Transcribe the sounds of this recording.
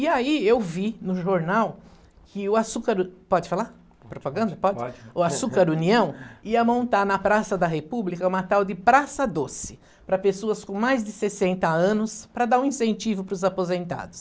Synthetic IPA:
ɪaiewvinʊʒoɾnaw | kɪʊasukɐɾpɔd͡ʒɪfala | pɾopaɡɐ̃nd̪ɐpɔd͡ʒd͡ʒʊasukɐɾuniɐ̃w̃iɐmõnt̪aɾnɐpɾasɐd̪ɐɦepublikɐũmat̪awd̪ɪpɾasɐd̪osɪ̥ | pɾɐpesoɐskõmajzd͡ʒ̪ɪsesẽnt̪ɐɐ̃nʊspɾɐd̪aɾũĩsẽnt͡ʃivʊpɾʊzapozẽnt̪a̰d̪ʊs

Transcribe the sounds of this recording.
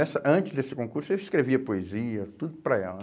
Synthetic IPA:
ɛsɐʔɐ̃nt͡ʃɪzd̪esɪkõkuɾsʊeliskɾeviɐpoeziɐt̪ud̪ʊpɾɐɛ̰lɐ

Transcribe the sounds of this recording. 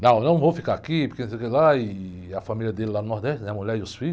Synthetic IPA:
nɐ̃w̃nɐ̃w̃vowfikaakipkensejkelaɪ | ɐfamilʲjɐd̪elɪlanʊnɔhd̪ɛʃtɪnɛɐmuʎɛɾd̪ʊsfiʎ

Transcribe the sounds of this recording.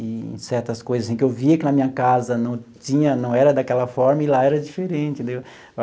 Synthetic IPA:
ɪḛ̃sɛɾt̪ɐskojzɐsĩkɪewviɐakinɐmĩɲɐkazɐnɐ̃w̃t͡ʃĩɲɐnɐ̃w̃ɛɾɐd̪akɛlɐfɔɾmɐɪlaɛɾɐd͡ʒifeɾẽt͡ʃɪd̪e

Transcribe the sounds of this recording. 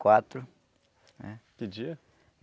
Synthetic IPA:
kwat̪ɾʊ | nɛkɪd͡ʒiɐ

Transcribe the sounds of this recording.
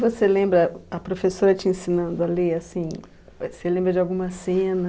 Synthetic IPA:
voselẽmbɾɐɐpɾofesoɾɐt͡ʃiẽsĩnɐ̃nd̪ʊɐleasĩ | selẽmbɾɐd͡ʒɪawɡũmɐsẽnɐ

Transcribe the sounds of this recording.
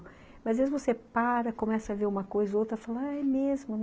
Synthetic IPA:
mɐzvezɪvosepaɾɐkõmɛsɐɐveɾũmɐkojzɐowt̪ɾɐfalaɛjmezmʊn

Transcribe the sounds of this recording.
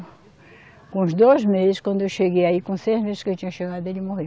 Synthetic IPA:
kõʊzd̪ojzmezɪskwɐ̃nd̪ʊewʃeɡejaikõsejʒmezɪʃkɪewt͡ʃĩɲɐʃeɡad̪ʊelɪmohe

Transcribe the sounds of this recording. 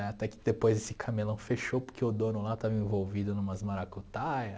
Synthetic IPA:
ɛat̪ɛkɪ̥d̪epojzesɪkʰamelɐ̃w̃feʃowpʊɾkʰeʊd̪õnʊlat̪avɐẽvowvid̪ʊnũmɐzmaɾakut̪ajɐ

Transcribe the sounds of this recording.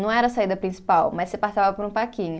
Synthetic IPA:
nɐ̃w̃ɛɾɐsaid̪ɐpɾĩsi̥pawmɐjsepast̪avɐpoɾũpakĩɲʊ

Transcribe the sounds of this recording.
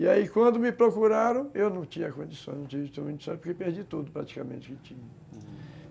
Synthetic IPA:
iaikwɐ̃nd̪ʊmɪpɾokuɾaɾɐ̃w̃ewnɐ̃w̃t͡ʃĩɲɐkõd͡ʒisõj̃nɐ̃t͡ʃĩɐ̃kõnd͡ʒisõj̃spoɾkepeɾd͡ʒit̪ud̪ʊpɾat͡ʃi̥kamḛ̃nt͡ʃɪ̥kɪt͡ʃĩɲɐ

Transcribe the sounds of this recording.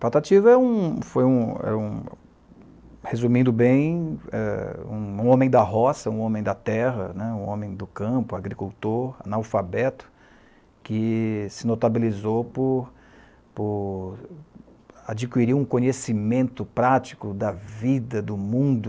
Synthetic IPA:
pat̪at͡ʃivɐɛũfojũɛ̰ũ | hezũmĩnd̪ʊbẽj̃ɛ̰ṵ̃ũõmẽj̃d̪ɐɦɔsɐũõmẽj̃d̪ɐt̪ɛɦɐ̰nɛũõmẽj̃d̪ʊkɐ̃pʊaɡɾikuwt̪oɾa̰nawfabɛt̪ʊ̥ | kɪsɪnot̪abilizowpʊɾ | pʊɾ | ad͡ʒikwiɾiɾũkõɲesimẽnt̪ʊpɾat͡ʃi̥kʊd̪ɐvid̪ɐd̪ʊmũd̪ʊ

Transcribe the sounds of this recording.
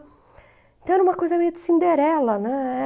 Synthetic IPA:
ẽt̪ɐ̃w̃ɛɾũmɐkojzɐmejʊd̪ɪsĩnd̪eɾɛlɐnɛ̃ɛ

